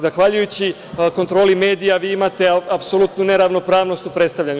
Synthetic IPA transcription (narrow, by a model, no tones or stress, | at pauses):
zaxʋaʎujut͡ɕi | ko̞nt̪ɾo̞lime̞ːd̪ijaʋiːimat̪e̞apsolut̪nune̞ɾaʋno̞pɾaːʋno̞st̪upɾe̞t̪st̪aʋʎaɲu